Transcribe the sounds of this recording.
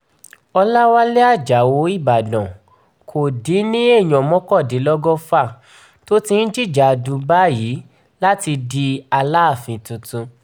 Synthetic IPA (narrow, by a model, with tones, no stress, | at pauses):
ɔ˧la˦wa˦le˦a˦˨d͡ʒa˨wo˧˦i˦˨ba˨dɔ̃˨ | kʰo˨dĩ˨˦nĩ˦e˦˨j̃ɔ̃˨mɔ̃˦kɔ˦˨di˨˦lɔ˦ɡɔ˦fa˦˨ | to˦tĩ˧n̩˦d͡ʒi˦˨d͡ʒa˨dũ˧ba˦˨ji˨˦ | la˦ti˧di˧a˧la˦˨fĩ˧tũ˧tũ˧